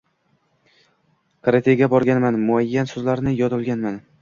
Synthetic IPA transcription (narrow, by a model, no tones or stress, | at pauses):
kɾat̪ʰeɡʲabɒɾɡʲanmanmʊajːansɵzlaɾnɪjɒd̪ʊlˠɡʲanman